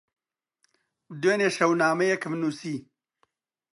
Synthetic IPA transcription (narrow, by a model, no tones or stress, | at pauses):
d̪weːneːʃɐwnaːmɐjekɨmnusiː